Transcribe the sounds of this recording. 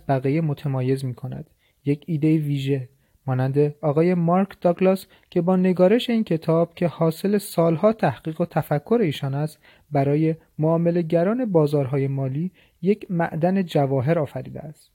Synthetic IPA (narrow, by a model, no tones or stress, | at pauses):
bæɣijemot̪ʰemɒːje̞zmiːkʰo̞næ̰d̪̥ | je̞cʰiːd̪e̞jiviːʒe̞ | mɒːnænd̪eɒːɣɒːje̞mɒɾkʰd̪̥ɒɡlɑs | cʰe̞bɒːne̞ɡɒːɾe̞ʃe̞iːncʰe̞t̪ʰɒːb̥̚cʰe̞hɒːse̞lesɒːlhɒːt̪ʰæhɡiːɣot̪ʰæfækʰːo̞ɾe̞iːʃɒːnæst̪ | bæɾɒːje̞ | moɒːme̞le̞ɟæɾɒːne̞bɒːzɒːɾɦɒːje̞mɒːliː | je̞cʰmæ̰ʔd̪æne̞d͡ʒævɒːɦe̞ɾɒːfæɾḭːd̪ḛæst̪